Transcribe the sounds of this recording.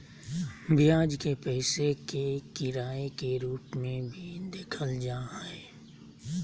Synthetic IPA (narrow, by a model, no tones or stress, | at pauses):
bɪjaːd͡ʒkepɛːsekekɪɾaːekeɾuːpmẽbʱid̪eːkʰəld͡ʒaːɦɛː